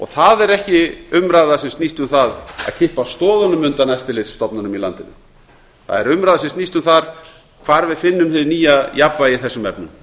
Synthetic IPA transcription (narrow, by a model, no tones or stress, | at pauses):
ɔ̰θaðɛɾɛhcɪʏmɾaːjðasɛmst̪nist̪ʏmθaða̰ðcʰɪhpast̪ɔːðanʏmʏnt̪anɛft̪ɪlɪt̪sːt̪ɔpnanʏmila̰nt̪ɪnʏ | θa̰ðɛɾʏmɾajðasɛmst̪nist̪ʏmθaɾ̥ | kʰvaːɾvɪðfɪnːʏmhɪðniːjajapvajɪθɛsːʏmɛ̰pnʏm